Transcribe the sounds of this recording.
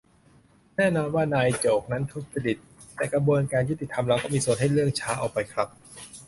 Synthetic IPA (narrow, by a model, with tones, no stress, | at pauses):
nɛː˥˩nɔː˧nwaː˥˩naː˧jt͡ɕoː˨˩k̚na˦˥nt̪ʰuː˦˥˩k̚sa˧di˨˩t̪̚ːɛː˨˩kɾa˧bu˧ənkaː˧nju˦˥t̪ːi˨˩t̪ʰa˧mɾa˧wkɔː˥˩miː˧su˨˩ənɦa˥˩jɾɯ˥˩əŋt͡ɕʰaː˦˥ʔa̰˨˩k̚pa˧jkʰɾa˦˥p̚